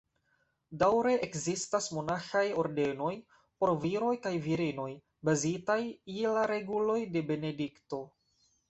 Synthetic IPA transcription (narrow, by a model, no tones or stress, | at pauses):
dawɾe̞ʔekzistasmo̞naxajo̞ɾde̞no̞j | po̞ɾviɾo̞jkajviɾino̞j | bazitajilaɾe̞ɡulo̞jde̞be̞ne̞dikto̞